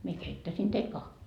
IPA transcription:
mie keitːæsin teil kɑhʋiː

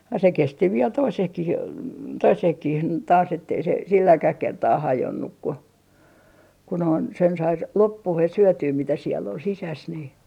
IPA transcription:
jɑ se kesti ʋiel toisehkih toisehkih tɑːs etːei se silːækæh kertɑː hɑjonːuk ku ku noin sen sɑi s lopːuhes̆ syøtyː mitæ sielː ol sisæs ni

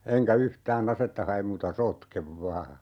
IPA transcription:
eŋkæ yhtæːn ɑsetːɑ hɑem muːtɑ sotkeʋ ʋɑː

